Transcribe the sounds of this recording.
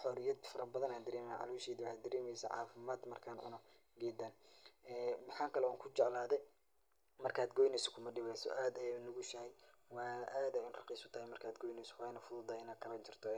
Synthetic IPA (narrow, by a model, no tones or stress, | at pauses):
ħɔːɾɪjɐd̪fɐɾɐbɐðɐnaːnd̪ɐɾɛːmɛjʕɑ̰luːʃɛːðɪwʊħaːd̪ɐɾɛːmɛjsɐ̰ʕɑ̰ːfɪmaːd̪mɐrkʰaːnʕʊ̰nɔ | ɡɛːd̪aːnɛːmɑħɑːŋkʰɐlɛuːŋkʰʊt͡ʃɛʕlaːðɛ | mɐrkʰaːd̪ɡɔjnɛsɔ̥kʰʊmɐɖɪβɛjsɔ̰ʔaːd̪ɛnʊɣʊʃɐhɛj | wɑːʔaːd̪ɐɪnrɐqiːsʊt̪ʰɐhɛjmɐrkʰaːd̪ɡɔːjnɛsɔ̥wɑːnɐfʊðʊd̪aːɪnaːd̪̚kʰɐlɐnt͡ʃʰɪrt̪ʰɔ